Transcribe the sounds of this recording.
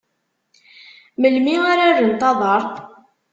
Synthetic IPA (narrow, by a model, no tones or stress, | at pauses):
məlmiaɾarənt̪ˤɑðˤəɾˤ